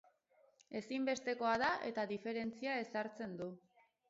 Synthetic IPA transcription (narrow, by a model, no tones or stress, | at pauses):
e̞simbe̞st̪e̞ko̞aðaʔet̪aðife̞ɾe̞nt͡siae̞saɾt͡se̞nd̪u